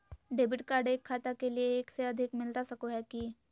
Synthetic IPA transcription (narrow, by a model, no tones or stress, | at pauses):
ɖeːbɪʈkaːɾɖeːkʰːaːt̪akelieːkseɐd̪ʱɪkmɪlt̪asɐkoɦɛki